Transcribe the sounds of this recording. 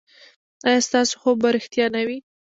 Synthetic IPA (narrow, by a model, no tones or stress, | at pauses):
ɑjɑst̪ɑso̥xobaɾɪxt̪jɑnawi